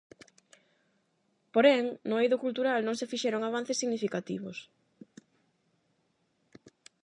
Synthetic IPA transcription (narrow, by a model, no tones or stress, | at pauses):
poɾɛŋnʊejðʊkult̪uɾalnõŋsefiʃɛɾoŋaβ̞an̟θesːiɣnifikat̪ḭβ̞ʊ̰s